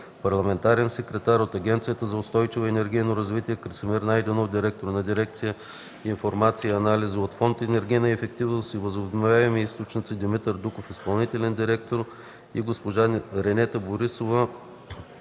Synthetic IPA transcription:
pɐɾlˠɐmɛnt̪aɾɛnsɛkɾɛt̪aɾot̪ɐɡʲɛnt̪sijət̪əzɐʊst̪ɔjt͡ʃivoɛnɛɾɡʲijnoɾɐzvit̪iɛkɾt̪simiɾnajd̪ɛnofd̪iɾɛk̚t̪oɾnɐd̪iɾɛk̚t̪sijə | infoɾmat̪siɐnalʲizəot̪fɔnt̪ɛnɛɾɡʲijnəɛfɛk̚t̪ivnosivəzobd̪nvʲavɛmiist̪ot͡ʃnʲit̪sid̪imit̪əɾd̪ukofispɐlˠnit̪ɛlʲɛnd̪iɾɛkt̪oɾ | iɡospoʒaɾɛnɛt̪əboɾisovə

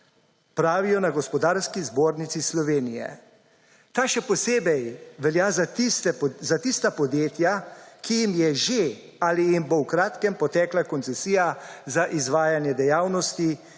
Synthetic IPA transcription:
pɾaːʋijɔnaɡɔspɔd̪aːɾskizboːɾnit̪sislɔʋeːnijɛ̰ | t̪aːʃɛpɔseːbɛjʋɛljaːzt̪ɛzat̪ist̪apɔd̪jeːt̪jakijimjɛʒe | aːlijimbowkɾaːt̪kɛmpɔt̪ɛːklakɔnt̪sɛsiːjazaʔizʋaːjanjɛd̪ɛjaːwnɔst̪i

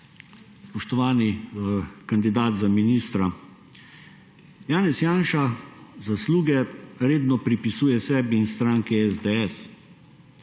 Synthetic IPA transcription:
spɔʃt̪ɔʋaːni | kand̪id̪aːt̪zaminist̪ɾa | jaːnɛsjaːnʃazasluːɡɛɾeːd̪nɔpɾipisuːjɛsɛːbiːnst̪ɾaːŋkɛɛzd̪ɛɛs

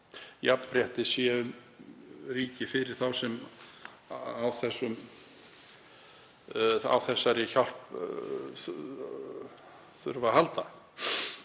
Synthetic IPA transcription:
jappɾjɛht̪ɪsjɛʏm | riːcɪfɪɾɪɾ̥θawsɛm | awθɛsːʏm | a̰wθɛsːaɾɪçal̥p | θ | θʏɾvahalt̪a

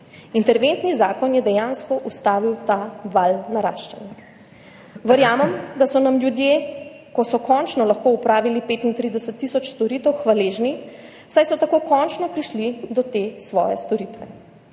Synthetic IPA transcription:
int̪ɛɾʋent̪nizaːkɔnjɛd̪ɛjãnskɔʔust̪aːʋiwt̪aʋalnaɾa̰ːʃt͡ʃɛnja | ʋəɾjaːmɛmd̪asɔnamljud̪je | kɔsɔkɔnt͡ʃnɔlaxkoupɾaːʋilipeːt̪int̪ɾiːd̪ɛsət̪ːisɔt͡ʃst̪ɔɾiːt̪ɛwxʋaleːʒni | sajsɔt̪akoːkɔnt͡ʃnɔpɾiʃlid̪ɔt̪eːsʋɔ̰ːjɛst̪ɔɾit̪ʋɛ

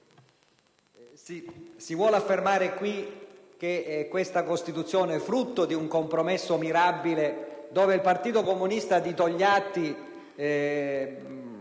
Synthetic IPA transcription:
sisivwɔːlafːermaːɾekwi | k̟ekːwest̪akost̪it̪ut̪sːjoːneɛfːɾut̪ːod̪iuŋkompɾomesːomiɾabːiled̪oːveilpart̪iːt̪okomunist̪ad̪it̪oʎːat̪ːi

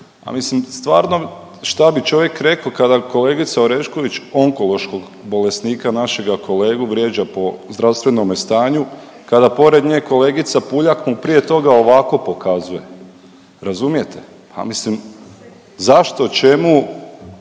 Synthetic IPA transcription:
a̰mislimst̪ʋa̰ːɾno̞ | ʃt̪abit͡ʃo̞ʋje̞kɾe̞kokad̪ako̞le̞ːɡit̪saoɾeʃko̞ʋit͡ʃo̞ŋko̞lˠo̞ʃko̞ɡ | bo̞le̞sniːkanaʃe̞ɡakʰo̞le̞ːɡuʋɾje̞d͡ʒapo̞zd̪ɾawst̪ʋe̞no̞mest̪aːɲu | kad̪apo̞ɾe̞d̪ɲeːko̞le̞ːɡit̪sapuʎakmupɾije̞t̪o̞ɡao̞ʋako̞po̞kazuje̞ | ɾazumije̞t̪ʰe̥ | pa̰mislim | zaʃt̪o̞t͡ʃe̞mu

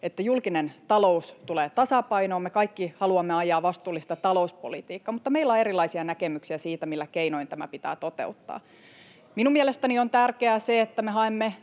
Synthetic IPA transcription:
et̪ːæjulkinent̪ɑloust̪uleːt̪ɑsɑpɑinoːmekɑikːihɑluɑmːeɑjˑɑːʋɑst̪uːlːist̪ɑt̪ɑlouspo̰lit̪iːkːɑmut̪ːɑmeilːoeɾilɑisiɑnækemyksiæsiːt̪æmilːækeinoint̪æmæ̰pit̪æ̰ːt̪ot̪ḛut̪ːɑ̰ː | minumiɛlest̪æniont̪ærkeæseet̪ːæmeɦɑemːe

